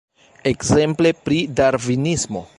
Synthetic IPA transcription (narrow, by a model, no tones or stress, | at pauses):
e̞kze̞mple̞pɾidaɾvinismo